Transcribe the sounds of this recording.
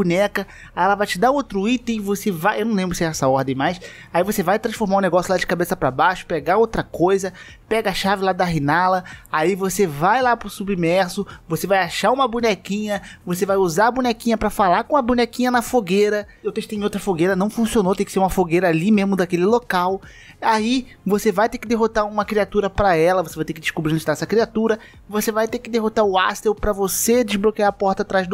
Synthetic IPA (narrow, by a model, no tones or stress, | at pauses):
bunɛkɐ | aɛlɐvajt͡ʃɪd̪aowt̪ɾʊit̪ẽj̃vosevajʔewnɐ̃w̃lẽmbɾʊsɪɛɛsɐɔɾd̪ẽj̃majs | aivosevajt̪ɾɐ̃sfoɾmaɾũneɡɔsjʊlad͡ʒɪkabesɐpɾɐbaʃʊ̥peɡaowt̪ɾɐkojzɐ | pɛɡɐɐʃavɪlad̪ɐɦinalɐaivosevajlapɾʊsubimɛɾsʊvosevajaʃaũmɐbunɛkĩɲɐvos̬evajuzaɾɐbũnɛkĩɲɐpɾɐfalakõɐbũnɛkĩɲɐnɐfoɡeɾɐewt̪eʃt̪ẽowt̪ɾɐfoɡeɾɐnɐ̃w̃fũsionowt̪ẽj̃kɪ̥seũmɐfoɡejɾɐalimeʒmʊd̪akelɪlokaw | ai | vosevajt̪ekɪd̪eɦot̪aɾũmɐkɾiat̪uɾɐpɾɐɛlɐvosevajt̪eɾkɪdd͡ʒɪʃkubɾĩñd͡ʒɪt̪aɛsɐkɾiat̪uɾɐ | vosevajt̪ekɪd̪eɦot̪aɾʊast̪ewpɾɐvosed͡ʒɪʒblokeaɾɐpɔɾt̪ɐat̪ɾajzd̪